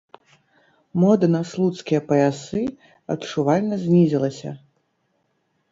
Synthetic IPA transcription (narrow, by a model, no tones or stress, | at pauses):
mɔd̪ɐnaslˠut̪skʲijɐpɐasɨ | ɐtt͡ʂuvalʲnɐzʲnʲizʲilˠɐsʲɐ̰